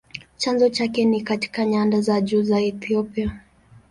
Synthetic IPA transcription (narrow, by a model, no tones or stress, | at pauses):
t͡ʃanzɔt͡ʃakɛnikati̥kaɲandazaʄuːzaɛθiɔpia